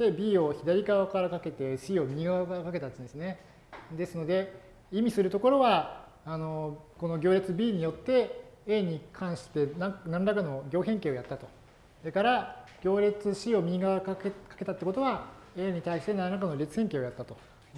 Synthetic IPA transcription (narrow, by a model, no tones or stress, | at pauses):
t̪ebʲiːo̞çid̪aɾʲiɡaβakaɾakake̞t̪e̞ɕiːo̞mʲiiɡaβakakake̞t̪aɨ̃nd̪esɨne̞ | d̪e̞sɨno̞d̪e̞ | imʲisɨɾɯ̟t̪o̞ko̞ɾo̞βaː | no̞ko̞no̞ɡʲoːɾʲet͡sɨbʲiːɲ̟ijo̞t̪ːe̞eːɲ̟ikʰãɰ̃ɕi̥t̪e̞nanãnɾakano̞ɡʲo̞ːɦẽ̞ŋkeːo̞jat̪ːat̪o̞ | d̪ekaɾaɡ̥ʲo̞ːɾʲet͡sɨɕiːo̞mʲiiɡaβakakekḁke̞t̪at̪ːeko̞t̪o̞βaeːɲ̟it̪aiɕi̥t̪e̞nanɾak̬ano̞ɾʲe̞t͡sɨ̥hẽ̞ŋke̞ːojat̪ːat̪o̞